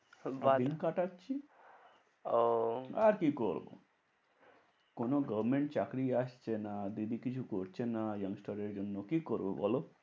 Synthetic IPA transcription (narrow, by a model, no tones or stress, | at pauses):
baiŋkaʈatt͡ʃʰi | oaɾkikoɾbo̰ | konoɡəbmeɳʈ̚t͡ɕakɾiaʃt͡ʃʰenad̪id̪ikit͡ʃʰukoɾt͡ɕʰenajʌŋsʈaɾeɾd͡ʒonːokikoɾbo̰bɔ̰lo